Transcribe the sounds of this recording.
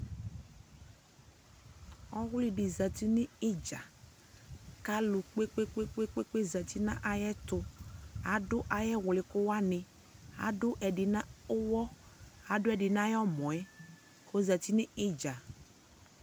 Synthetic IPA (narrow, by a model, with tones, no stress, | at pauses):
ɔ˦ɣʊ˦lɪ˦dɪ˨za˨ti˦nɪ˦ɪ˦d͡ʒa˨ | ka˦lʊ˨k͡pe˦k͡pe˦k͡pe˦k͡pe˦k͡pe˦k͡pe˦za˨ti˦nã˦ʔa˦jɛ˦tʊ˦a˨˦dʊ˦ʔa˨jɛ˦wʊ˨lɪ˨kʊ˦wa˦nɪ˨ | a̰˨˦dʊ˦ʔɛ˨dɪ˨nã˦ʊ˦wɔ˦a˨˦dʊ˦ɛ˨dɪ˨n˦a˦jɔ˦mɔ̃˨ɛ˦ | xo˦za˨ti˦nɪ˦ɪ˦d͡ʒa˨